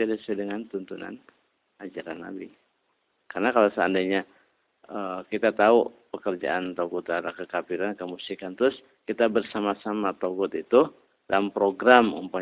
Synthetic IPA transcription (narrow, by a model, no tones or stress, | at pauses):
adisɛdəŋant̪unt̪una̰n | ad͡ʒaɾanːa̰bi | karnakalasəandaɲa | əkit̪at̪aupəkərd͡ʒa̰ʔant̪aɡut̪aɾakəkapiɾankəmusikant̪ɾʊs | kit̪abərsamasamat̪oɡɔt̪it̪u | dalampɾoɡɾamṵmpa